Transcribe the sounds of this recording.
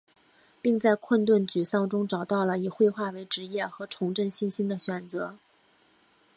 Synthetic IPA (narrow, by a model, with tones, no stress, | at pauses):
pi˥˧ŋt͡sa˥˧ɪkʰwə˥˧nt̪wə˥˩nt͡ɕy˨˩sɑ˥˩ŋʈ͡ʂʊ˥ŋʈ͡ʂɑ˨˩ʊt̪ɑ˥˩ʊlə˩i˨˩xwe˥˧ɪxwa˥˩we˧˥ɪʈ͡ʂɻ̩˧˥jɛ˥˩xɤ˧˥ʈ͡ʂʰʊ˧˥ŋʈ͡ʂə˥˧nɕi˥˩nɕi˥nd̪ə˨ɕɥɛ˨˩nt͡sɤ˧˥